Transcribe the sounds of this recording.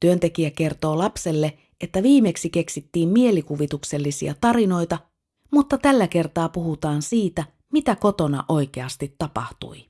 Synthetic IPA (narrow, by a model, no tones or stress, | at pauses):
t̪yønt̪e̞k̟iæke̞rt̪o̞ːlɑpse̞lːe̞ | e̞t̪ːæʋiːme̞ksike̞ksit̪ːiːmmie̞likuʋit̪ukse̞lːisḭɑ̰t̪ɑɾino̞jt̪ɑ | mut̪ːɑt̪ælːæke̞rt̪ɑːpuɦut̪ɑːnsiːt̪æ | mit̪æko̞t̪o̞nɑ̰ʔo̞jk̟e̞ɑst̪it̪ːɑpɑ̰ht̪ṵj